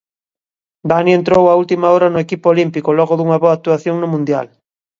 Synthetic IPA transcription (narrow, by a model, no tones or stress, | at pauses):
d̪anient̪ɾowault̪imaɔɾɐnʊekipoolimpikʊlɔɣʊðuŋɐβoak̚t̪uaθjoŋnʊmũnd̪ja̰l